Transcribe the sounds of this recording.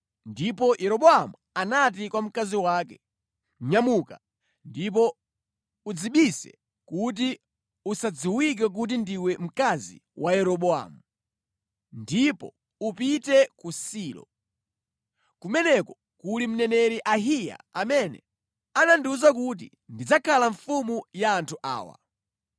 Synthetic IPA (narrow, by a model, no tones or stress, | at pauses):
ndipɔjʔɛɾɔɓɔamu | anat̬ikwam̩kaziwaːkɛ | ɲamuka | ndip̬ɔ | ud͡ziɓisɛ̰ | kut̬i | usad͡ziwik̬ak̬ut̬indiwɛm̩kazḭwʔajɛɾɔɓɔa̰mu | ndipɔ̰ | upitɛkusiːlɔ̰ | kumɛnɛkɔ | kulim̩nɛnɛɾiʔaɦija̰amɛnɛ̰ | ananduzak̬ut̬ḭ | ndid͡zakʰalaɱfumujaːntʰuʔa̰ːwa̰